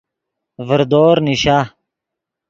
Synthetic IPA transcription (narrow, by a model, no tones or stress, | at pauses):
vəɾd̪oːɾniɕa